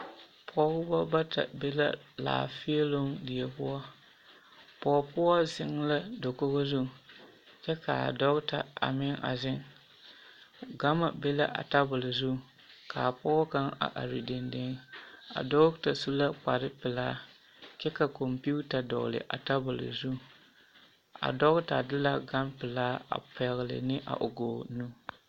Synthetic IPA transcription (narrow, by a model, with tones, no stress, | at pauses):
pʰɔ˦ɡʊ˦ba˦ba˦ta̰˨be˦la˦la̰ː˨fi˦e˦lo˦ŋdɪ˨jɛ˨pʊ˦ɔ˦ | pɔ˨pʊ˦ɔ˦zɪ˦ŋ˦la˦do˨ko˦ɣo˦zʊ˦˨ | t͡ʃɛ˦ka˨a̰˨dɔ˦ɡta˨a̰˨mɪ˦ŋʔa̰˨zɪ˦ŋ | ɡa˦ma˨be˦la˦ʔa̰˨ta˦bʊ˨lɪ˨zu˦˨ | ka˨pɔ˦ɔ˦ka˦ŋa̰˨ʔa̰˨ɾi˨de˨nde˦ŋ˦a̰˨dɔ˦ɡta˨su˦la˦k͡pa˨ɾɪ˦pɪ˨laː˦ | t͡ʃɛ˦ka˨ko˨mpi˦u˦ta˨dɔ̰˨ɣ̰lɪ̰˨ʔa̰˨ta˦bʊ˨lɪ̰˨zu˦ | a̰˨dɔ˦ɣta˨dɪ˦la˦ɡa˦mpɪ˨laː˦a̰˨pa˨ɣlɪ̰˨nɪ˦ʔa̰˨ʔʊ˨ɡoː˨nu˦